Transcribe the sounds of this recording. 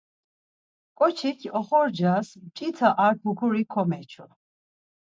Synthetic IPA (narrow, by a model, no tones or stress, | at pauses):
kʼɔt͡ʃʰikʰɔχɔɾd͡ʒast͡ʃʼit̪ʰaʔaɾpʰukʰuɾikʰɔmɛt͡ʃʰɔ